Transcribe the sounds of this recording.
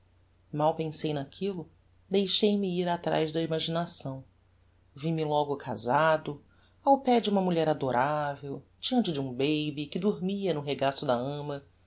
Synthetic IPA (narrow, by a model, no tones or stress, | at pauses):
mawpẽsejnakʰilʊ | d̪ejʃejmɪiɾat̪ɾa̰jzd̪ɐimaʒinasɐ̃w̃ | vimɪlɔɡʊkʰa̰zad̪ʊ | awpɛd͡ʒɪũmɐmuʎɛɾad̪oɾʔavewd͡ʒiɐ̃nt͡ʃɪd͡ʒɪũbejbɪkɪd̪oɾmiɐnʊɦeɡasʊd̪ɐɐ̃mɐ